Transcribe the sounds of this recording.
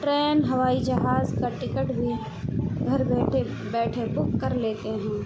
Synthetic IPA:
ʈɾɛːnɦɐʋaːid͡ʒɐɦaːzkaʈɪkəʈbʱi | ɡʱɐɾbɛːʈʰe | bɛːʈʰebʊkːɐɾleːt̪eɦɛ̃ː

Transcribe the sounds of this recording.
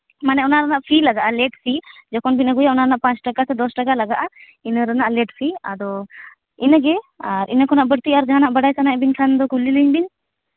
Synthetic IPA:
manɛɔnaɾanaʔpʰilaɡaʔalɛʈpʰid͡ʒɔkɔnbinəɡujaʔɔnaɾanaʔpãt͡ʃʈakasɛd̪ɔsʈakalaɡaʔa | inəɾanaʔlɛʈpʰia̰d̪ɔ | inəɡɛaɾḭnəkɔnaʔbəɽt̪iaɾd͡ʒaɦanaʔbəɽajsanabiɲkʰand̪ɔkulːiliɲbiɲ

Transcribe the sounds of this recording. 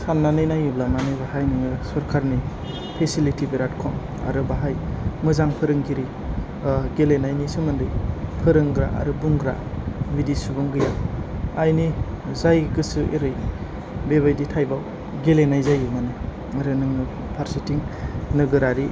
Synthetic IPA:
sanːanɯjnajublamanɯbaɦajnɯŋɯsɔɾkʰaɾni | pʰesilitibeɾatkʰɔm | a̰ɾɯbaɦajmɯzaŋpʰɯɾɯŋɡʰiɾi | ɡelenajnisɯmɯndɯjpʰɯɾɯŋɡɾa̰ʔa̰ɾɯbuŋɡɾa̰ | bidisubɯŋɡɯjaajnizajɡɯsɯḛɾɯj | bebajditʰajbaw | ɡelenajzajumanɯ | aɾɯnɯŋɯ | pʰaɾsitiŋnɯɡɯɾaɾi

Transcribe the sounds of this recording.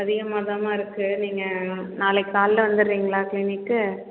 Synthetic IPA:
ɐðɪɣɐmaːðɐmaːɪɾɯkːɯniːŋɡɐnaːlɛkːaːllɐʋɐnd̪ɯɾɾiːŋɡɐɭaːklɪnɪkːɯ

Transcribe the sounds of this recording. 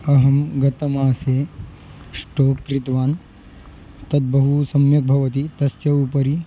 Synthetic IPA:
ɐɦɐmɡɐt̪ɐmaːseː | sʈoːkːɾit̪ʋaːn | t̪ɐt̪̚bɐɦusɐmjɐk̚bʱɐʋɐt̪it̪ɐsjɐupɐɾi

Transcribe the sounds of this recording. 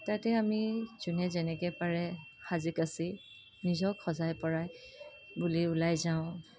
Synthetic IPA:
tatɛamiz̥unɛzɛnɛkɛpaɹɛxazikasi | nizɔkʰːɔzajpɔɹaj | buliʊlajzaʊ̃

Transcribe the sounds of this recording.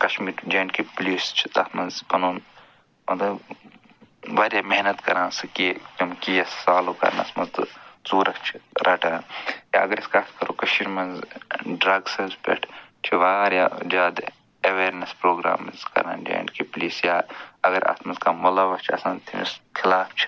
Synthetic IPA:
kɐʃmiːɾd͡ʒeːɳɖkipliːst͡ʃʰi̥t̪ɐ̰t̪ʰmɐnzpɐnoːn | ɐnd̪ɐ | ʋaːɾjaːmeɦnɐt̪kɐɾãːnsɨkikɐmkijɐsːaːloːkɐ̰ɾnɐ̰smɐzt̪ɨsuːɾɐkt͡ʃʰi̥ɾʔɐːʈãːnja̰ːɐɡɐɾiskaːt̪ʰkɐɾoːkɐʃiɾmɐnzɖɾɐɡselspḛʈʰt͡ʃʰiʋaːɾjad͡ʒaːd̪ | ɐʋeːɾnɐspɾoːɡɾa̰ːmizkɐ̰ɾa̰ːnd͡ʒḛːɳɖkipliːsjaːɐɡɐɾɐ̰t̪mɐnzkaːmolɐʋɐst͡ʃʰiɐ̰sãːnt̪ʰimḭskʰilaːft͡ʃʰi̥

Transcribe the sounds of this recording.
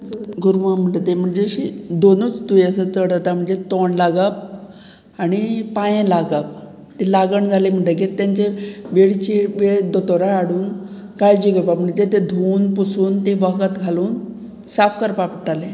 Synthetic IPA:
ɡuɾmam̤əɳʈt̪em̤əɳd͡zeɕid̪onut͡sd̪ujəsət͡s̪əɽd͡zat̪am̤əɳd͡zet̪oɳlaɡəp̚ | aɽ̃ipajẽlaɡəp̚ | t̪elaɡəɳd͡zʱalem̤əɳʈek̬iɾt̪jaɲt͡ɕeʋeɽt͡ɕiʋeɭd̪ɔt̪oɾaːɽuːn | kajd͡ʑiɡəpam̤əɳd͡zet̪ed̪ʱuːnpusuːnt̪eʋəkət̪ɡʱaluːn | safkəɾpapʈt̪alẽ

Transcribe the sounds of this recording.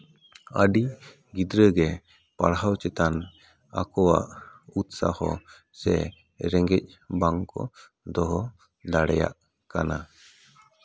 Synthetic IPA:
aɖi | ɡid̪ɾəɡɛ | paɽɦawt͡ʃɛt̪an | akɔwaʔut̪sahɔ̰ | sɛ̰ | ɾɛŋɡɛc̚baŋkɔ̰ | d̪ɔɦɔ | d̪aɽɛja̰ʔ | kana

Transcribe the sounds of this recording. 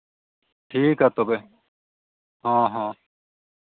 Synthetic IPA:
ʈʰiːkɦaːt̪obe | ɦãːɦãː

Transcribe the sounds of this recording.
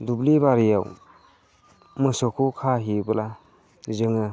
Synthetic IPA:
dublibaɾijaw | mɯsɔkʰukʰaɦibɯla | zɯŋɯ

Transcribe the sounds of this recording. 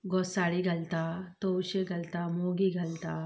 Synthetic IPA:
ɡɔsaɽiɡʱɐlt̪at̪owɕeɡɐlt̪amoɡiɡʱɐlt̪a

